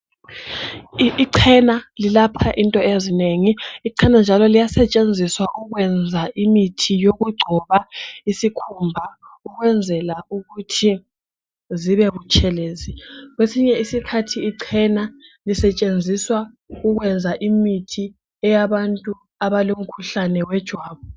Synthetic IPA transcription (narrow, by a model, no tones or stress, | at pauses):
ǀʰɛnalilapʰaʔintʼɔezineŋiːǀʰɛnand͡ʒʱalɔlijasɛt͡ʃʼend͡zʱiswaʔuɣwɛnd͡zʱaʔimitʰijoɣuɡ͡ǀʱɔβaisikʰumbʱauɣwɛnd͡zʱɛlauɣutʰi | ziβɛɣut͡ʃʰʼɛleːziɣwesiɲɛisikʰatʰiːǀʰɛnalisɛt͡ʃʼend͡zʱiswa | uɣwɛnd͡zʱaʔimitʰi | ɛjaβantʼu | aβalom̩kʰuɬanɛwɛd̥ʒ̥ʱwaːβu